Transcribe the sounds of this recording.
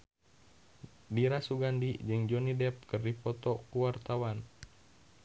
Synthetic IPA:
diɾasuɡandid͡ʒɨŋd͡ʒɔnidɛp̚kɨrdipɔt̪ɔkuwart̪awan

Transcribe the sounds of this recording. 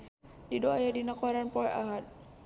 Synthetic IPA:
didoajadinakwaɾanpɔɾa̰ɦat̪̚

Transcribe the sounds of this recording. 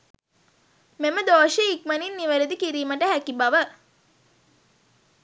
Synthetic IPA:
meməd̪oːʃiːkməninːiʋəɾed̪ikiɾiːməʈəɦækibaʋə

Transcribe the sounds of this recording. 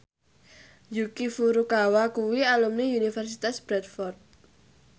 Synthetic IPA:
jukifuɾukawakuwialumniunifɛrsit̪asb̥ɾɛt̪fɔrt̪̚

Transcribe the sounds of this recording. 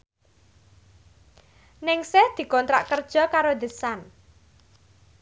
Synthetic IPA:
nɪŋsɛhd̪̥i̤kɔnt̪ɾa̰ʔkərd̥ʒ̥ɔ̤kaɾod̪ə̤san

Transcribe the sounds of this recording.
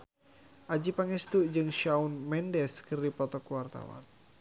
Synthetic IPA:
ʔad͡ʒipaŋɛst̪ud͡ʒɨŋʃaunmɛndɛskɨrdipɔt̪ɔkuwart̪a̰wa̰n

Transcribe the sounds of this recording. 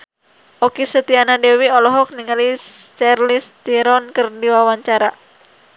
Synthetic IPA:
ʔokisət̪ianadewiɔlɔɦɔk̚niŋali | t͡ʃarlist̪iɾɔnkərdiwawaɲt͡ʃaɾa

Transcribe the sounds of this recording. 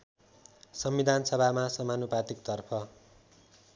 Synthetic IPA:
sʌmbid̪ʱansʌbʱamasʌmanupat̪ikt̪ʌrpʰʌ

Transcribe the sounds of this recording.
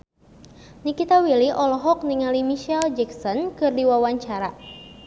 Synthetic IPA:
nikit̪awiliʔɔlɔɦɔk̚niŋalimiʃɛld͡ʒɛksɔnkɨrdiwawaɲt͡ʃaɾa

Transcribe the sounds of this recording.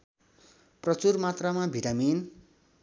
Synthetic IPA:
prʌt͡surmat̪ramabʱiʈamin

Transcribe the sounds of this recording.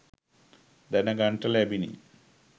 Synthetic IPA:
d̪ɐnɐɡɐɳʈɐlebinḭ

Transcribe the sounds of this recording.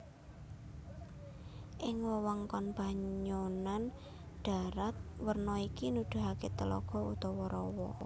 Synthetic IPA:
ʔɪŋwɔwɔŋkɔnb̥a̤ɲonan | ɖ̥a̤ɾat̪̚wərnɔikinud̪̥ṳɦaket̪əlɔ̰ɡ̥ɔ̤ut̪ɔwɔɾɔwɔ

